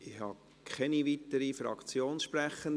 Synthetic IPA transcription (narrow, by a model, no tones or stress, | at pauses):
ɪxhɑ | kʰχɛniʋit̪əɾifɾɑ̰kt͡sjoːnsʃpɾæχːən